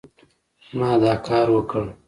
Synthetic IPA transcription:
mɑːd̪ɑːkʰɑːɾwəkəɽ

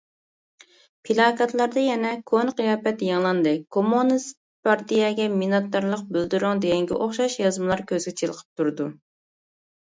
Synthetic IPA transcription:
pʰilˠɑːkɑt̪lˠɑɾd̪ɑjɛnɛkʰonqijɑːpɛt̪jɑŋlˠɑnd̪ɨkʰomonɨs | pɑɾt̪ijɛɡʲɛminɑt̪ːɑɾlˠəq̚bøld̪yɾʊŋd̪ejɛŋɡʲɛ̰ʔoχʃɑʃjɑzmɨlˠɑɾkʲʰøzɡʲɛt͡ʃʰelˠəqʰə̥p̚t̪ʰuɾd̪u

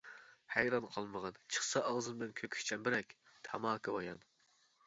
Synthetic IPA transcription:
hæjɾɑnqʰɑlˠməʁɑnt͡ʃʰə̥χsɑʔɑʁzɨmblɨnkʲʰøkʲʰy̥kʲt͡ʃʰɛmbɪɾɛkʲt̪ʰɑmɑːkʰɨbɑjɑn

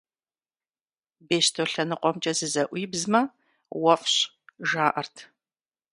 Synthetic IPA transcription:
beːɕtʰoɬɐnɨqʷɔmt͡ʃʼɐzɨzɐʔʷiːbzmɐ | wɐfɕ | ʒaːʔɐrtʰ

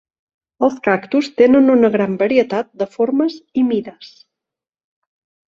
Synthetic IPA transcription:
əlˠskakt̪ust̪enənunəɣɾambəɾiət̪at̪̚d̪əfoɾməzimiðəs

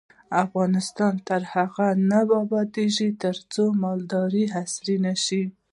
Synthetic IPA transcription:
afɣɑnɪst̪ɑnt̪aɾhaɣanabɑbɑd̪eʒit̪əɾt͡somɑld̪ɑɾiɦasɾinaʃi

